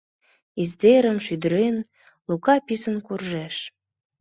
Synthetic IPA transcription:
izd̪eɾəmʃyd̪əɾen | lukɑpisənkurʒæʃ

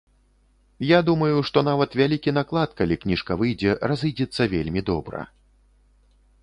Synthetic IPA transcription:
jad̪umɐjuʂt̪ɔnavɐt̪vʲalʲikʲin̪aklˠat̪kalʲiknʲiʂkɐvɨjd͡zʲɛrazɨjd͡zʲɛt̪sːɐvʲelʲmʲid̪ɔbɾɐ̰

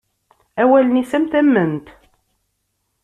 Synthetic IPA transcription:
æwælənisæmt̪æmːənt̪

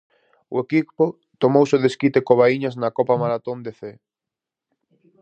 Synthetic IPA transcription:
ʊekipʊ | t̪omowsɪoðeskit̪ekoβaiɲɐznɐkɔpamaɾat̪ond̪eθe

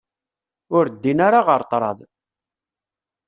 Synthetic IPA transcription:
ʊɾd̪ːinaɾaʁəɾt̪ˤɾˤɑðˤ

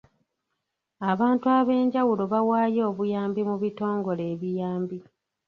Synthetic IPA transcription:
aβaːntuaβe̞ːɲɟawulo̞βawaːjo̞ːβujaːmbimuβito̞ːŋɡo̞le̞ːβijaːmbi

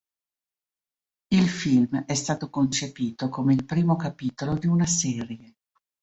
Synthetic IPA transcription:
ilfilmɛst̪aːt̪okont͡ʃepiːt̪okomeilpɾiːmokapiːt̪olod̪iunasɛːrje

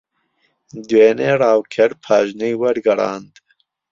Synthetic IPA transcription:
d̪weːneːɾɑːwkʰɛɾpʰɑːʒnijwɐɾɡɐɾɑ̰ːnd̪

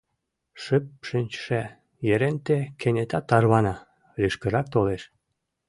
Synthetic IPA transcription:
ʃəp̚ʃynʲt͡ɕʃæ | jeɾent̪ekʰenʲet̪ɑt̪ːɑrβɑnɑ | liʃkə̆ɾɑk̚t̪oleʃ

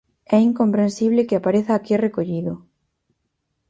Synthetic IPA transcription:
ɛiŋkompɾẽnsiβ̞lekɪapaɾeθaːkirekoʎiðo

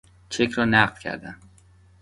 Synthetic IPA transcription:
t͡ʃʰekʰɾɒːnæɢ̪̥kʲʰæ̰ɾd̪æn

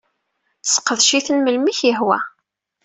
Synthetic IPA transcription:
θsqːəðʃiθənməlmiçəɦwæ̰

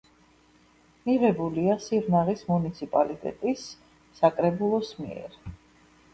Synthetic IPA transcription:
miʁɛbuliasiɾnaʁismunit̪sʰipʼalit̪ʼɛ̰t̪ʼisː | akʼɾɛbulˠɔsmḭɛ̰ɾ

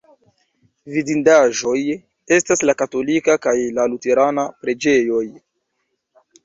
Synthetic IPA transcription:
vidindaʒo̞j | e̞staslakato̞likakajlalute̞ɾanapɾe̞d͡ʒe̞jo̞j

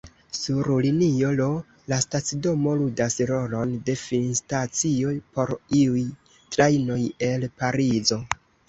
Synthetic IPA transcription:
suɾlinio̞lo̞ | lastat͡sido̞mo̞ludasɾo̞lo̞nde̞finstat͡sio̞jpo̞ɾiuj | tɾajno̞je̞lpaɾizo̞

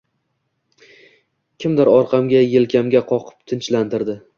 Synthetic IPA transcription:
kʲʰɪmd̪ɪɾɒɾqʰɑmɡʲajelkʲʰamɡʲaqʰɒqʰɨ̥p̚t̪ʰɪnt͡ʃlant̪ɪɾd̪ɪ

